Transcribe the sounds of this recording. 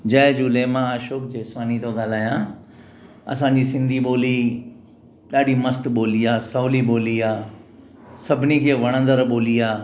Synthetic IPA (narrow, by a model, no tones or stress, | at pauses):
d͡ʑɐːd͡ʑuleːmãaːʃoːk̚d͡ʑeːsʋaːnit̪oɠaːl̤aːjã | ɐ̰sãːɲd͡ʑiːsɪ̃nd̪ʱiɓoːli | ɗaːɗimɐst̪ɓoːlijaːsɐːliɓoːliaː | sɐbʱɪnikʰeːʋɐɽ̃ə̃nd̪əɾɓoːlijaː